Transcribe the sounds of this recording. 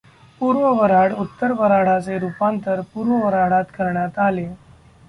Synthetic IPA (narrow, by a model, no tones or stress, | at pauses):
puɾʋəʋəɾaɽut̪ːəɾʋəɾaɽ̤at͡seɾupant̪əɾpuːɾʋəʋəɾaɽat̪kəɾɳjat̪ale